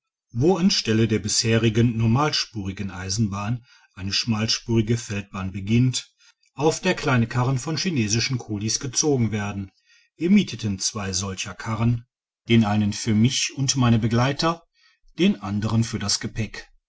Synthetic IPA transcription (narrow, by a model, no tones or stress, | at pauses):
voːanʃtɛlədeːɐbɪsheːʁɪɡənːɔɐmaːlʃpuːʁɪɡənʔaɪzn̩baːn | ʔaɪnəʃmaːlʃpuːʁɪɡəfɛlt̚b̥aːnbəɡɪnt | ʔaʊfd̥eːɐkl̥aɪnəkʰaʁənfɔnʃineːzɪʃn̩kʰoːlisɡ̥ət͡soːɡŋ̩veːɐdn̩ | viːɐmiːtʰətənt͡sv̥aɪzɔlçɐkʰaʁən | d̥eːnʔaɪnənfyːɐmɪçʊntmaɪnəbəɡlaɪtɐ | d̥eːnʔandəʁ̞ənfyːɐdasɡ̥əpʰɛk